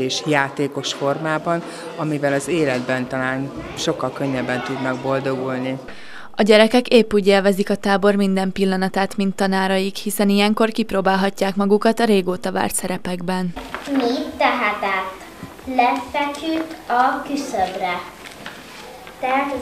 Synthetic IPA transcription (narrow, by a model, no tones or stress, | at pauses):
eːʃjaːt̪eːko̞ʃfo̞rmaːbɒn | ɒmivɛlɒzeːlɛd̪bɛnt̪ɒlaːnʃo̞kːɒlkø̞ɲːɛbːɛnt̪ud̪nɒɡbo̞ld̪o̞ɡulni | ɒɟɛɾɛkɛkeːpːuːɟeːlvɛzikɒt̪aːbo̞rmind̪ɛmpilːɒnɒt̪aːt̪mint̪ːɒnaːɾɒjikhisɛnijɛŋko̞rkiproːbaːlɦɒcːaːkmɒɡukɒt̪ɒɾeːɡoːt̪ɒva̰ːrt̪sɛɾɛpɛɡbɛnmit̪ːɛɦat̪at̪ː | lɛfɛkʰyt̪ːɒkysøbrɛ | t̪ɛɦaːt̪